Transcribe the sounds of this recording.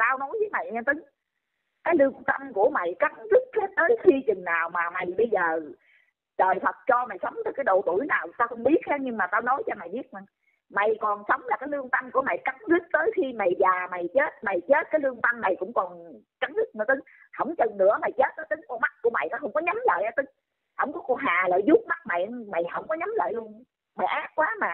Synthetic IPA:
t̪aː˧wnɔ˨˦jvəː˨˦jma̰˨jɲ˧t̪ɨ˨˦ŋ | kaː˨˦jlɨ˧əŋt̪ə˧mku˧˩əma̰˧˨jka˨˦ŋzɨ˦˥k̚he˦˥t̚t̪əː˨˦jxʰi˧t͡ɕɨ˨˩ŋnaː˨˩wmaː˨˩ma˨˩jɓə˧jzəː˨˩ | ɗəː˨˩jfʰə˨˩t̚t͡ɕɔ˧ma˨˩jsə˨˦wŋ͡mt̪aː˨˩jkaː˨˦jɗo̰˧˨˩t̪u˧˩əjnaː˨˩wt̪aː˧xə˧wŋ͡mɓi˦˥ət̚hɛ˨˦ɲɨ˧ŋmaː˨˩t̪aː˧wnɔ˨˦jt͡ɕɔ˧ma˨˩jɓi˦˥ət̚ma˨˩ | ma˨˩jkɔ˨˩nsə˨˦wŋ͡mlaː˨˩kaː˨˦jlɨ˧əŋt̪a˧ŋku˧˩əma̰˧˨jka˨˦ŋzɨ˦˥t̚t̪əː˨˦jxi˧ma˨˩jvaː˨˩ma˨˩jt͡ɕe˦˥t̚ma˨˩jt͡ɕe˦˥t̚kaː˨˦jlɨ˧əŋt̪a˧nːa˨˩jkʊ̰˧˥ŋ͡mkɔ˨˩n | ka˨˦ŋzɨ˦˥k̚nɨ˧˩ət̪ɨ˨˦ŋ | hə̰˧˩wŋ͡mt͡ɕə˨˩ŋnɨ̰˧˥əma˨˩jt͡ɕe˦˥t̚t̪əː˨˦jt̪ɨ˨˦ŋku˧˩˦ma˦˥k̚ku˧˦əma̰˧˨jt̪aː˧˦hə˧˦wŋ͡mkɔ˨˦ɲa˨˦mlə̰ː˧˨jʔaː˨˦t̪ɨ˨˦ŋ | hə̰˧˩wŋ͡mkɔ˨˦kɔ˨˩nɦaː˨˩lə̰ː˧˨jzu˦˥t̚ma˦˥k̚ma̰˧˨jʔma˨˩jhə˧˩wŋ͡mkɔ˨˦ɲa˨˦mlə̰ː˧˨jlu˧ən | ma˨˩jʔaː˦˥k̚kwaː˨˦maː˨˩

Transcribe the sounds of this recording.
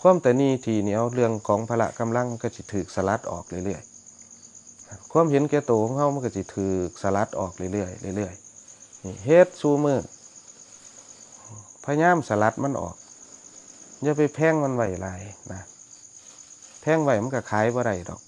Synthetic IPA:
kʰu˧˥˨ə˨mt̪ɛː˨˩niː˧˩˨t̪ʰiː˧˩niː˧˩ʔa˧wlɯ˧˨əŋkʰɔː˨˦ŋpʰa˧la̰˧ʔka˧˨mla˧˥˨ŋma˧nka˧˩si˧˦t̪ʰɯː˨˩k̚sa˧la˧˦t̪̚ʔɔ̰ː˨˩k̚lɯ˧˨jlɯ˧˩əj | a˧˩kʰu˧˥ə˨mhe˨˧˦nkɛː˧˩˦t̪oː˨kʰɔː˧˦ŋha˧˩wma˧˨nka˧˩si˧˦t̪ʰɯː˨˩k̚sa˧la˧˦t̪̚ʔɔː˨˩k̚lɯ˧˨jlɯ˧˩əjla̰˧˨lɯ˧˩əjniː˧˩ɦe˧t̪̚suː˧˦mɯː˧˩˧ | pʰaː˧ɲaː˧˥˨msa˧la˧˦t̪̚ma˧˥˨nʔɔ̰ː˨˩k̚ | ja˧˩pa˨˩jpʰɛː˧˥˨ŋma˧˥nwa˧˩jla˨˧˦jna˧ | pʰɛː˧˩˨ŋwa˧˩jma˧˥˨ka˧˩kʰaː˨˦jbɔː˧ɾa˧˩jdɔ̰˨˩˦k̚

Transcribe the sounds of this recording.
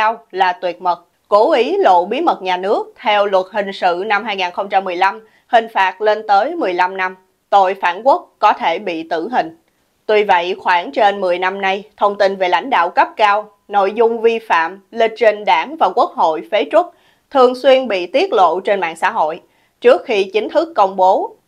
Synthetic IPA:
aː˧wlaː˨˩t̪wi˨˩ət̚mə˨˩t̚ | ko˨˦ʔi˨˦lo̰˧˨ɓi˨˦mə˨˩t̚ɲaː˨˩nɨ˦˥ək̚t̪ʰɛ˧wlwə˨˩t̚hï˨˩ŋ̟sɨ̰˧˨na˧mɦaː˧jŋaː˨˩nxə˧wŋ͡mt͡ɕa˧mːɨ˨˩əjla˧m | hï˨˩ŋ̟faː˨˩t̚le˧nt̪əː˨˦jmɨ˨˩əjla˧mna˧m | t̪o˧˨jfaː˧˩nku˦˥ək̚ːɔ˨˦t̪ʰe˧˩ɓḭ˧˨t̪ɨ˧˩ɦï˨˩ŋ̟ | t̪wi˧və̰˧˨jxwaː˧˩ŋt͡ɕe˧nmɨ˨˩əjna˧mna˧jt̪ʰə˧wŋ͡mt̪i˧nve˨˩la̰˧˥˩jŋ̟ɗa̰ː˧˨wkə˦˥p̚kaː˧w | no̰˧˨jzʊ˧ŋ͡mvi˧fa̰ː˧˨mlï˨˩t̟̚t͡ɕi˧ŋ̟ɗaː˧˩ŋvaː˨˩kwu˦˥ək̚ɦo̰˧˨jfe˨˦t͡ɕwə˦˥t̚ | t̪ʰɨ˨˩əŋswi˧ənɓḭ˧˨t̪i˦˥ət̚lo̰˧˨t͡ɕe˧nɓa̰ː˧˨nsa̰ː˧˥ɦo̰˧˨j | t͡ɕɨ˦˥ək̚xi˧t͡ɕï˨˦ŋ̟t̪ʰɨ˦˥kːə˧wŋ͡mɓo˨˦

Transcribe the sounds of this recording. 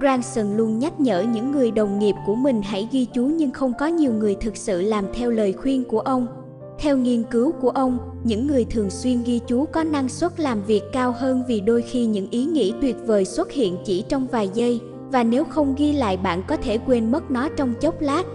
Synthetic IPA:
zaː˧ŋsə˧nlu˧ənɲa˦˥t̚ɲə̰ː˧˩ɲɨ̰˧˥ŋːɨ˨˩əjɗə˨˩wŋ͡mŋi˨˩p̚ku˧˩əmï˨˩ŋ̟ɦa̰˧˥jɣi˧t͡ɕu˨˦ɲɨ˧ŋxə˧wŋ͡mkɔ˨˦ɲi˨˩əwŋɨ˨˩əjt̪ʰɨ˨˩k̚sɨ̰˧˨laː˨˩mt̪ʰɛ˧wləː˨˩jxwi˧ənku˧˩əʔə˧wŋ͡m | t̪ʰɛ˧wŋi˧ənkɨ˨˦wku˧˩əʔə˧wŋ͡m | ɲɨ̰˧˥ŋːɨ˨˩əjt̪ʰɨ˨˩əŋswi˧ənɣi˧t͡ɕu˨˦kɔ˨˦na˧ŋswə˦˥t̚laː˨˩mvi˨˩əkːaː˧whəː˧nvi˨˩ɗo˧jxi˧ɲɨ̰˧˥ŋʔi˨˦ŋḭ˧˥t̪wi˨˩ət̚vəː˨˩jswə˦˥t̚hḭ˧˨ənt͡ɕḭ˧˩t͡ɕɔ˧wŋ͡mvaː˨˩jzə˧j | vaː˨˩ne˨˦wxə˧wŋ͡mɣi˧la̰ː˧˨jɓa̰ː˧˨nkɔ˨˦t̪ʰe˧˩kwe˧nmə˦˥t̚nɔ˨˦t͡ɕɔ˧wŋ͡mt͡ɕə˦˥wk͡p̚laː˦˥t̚

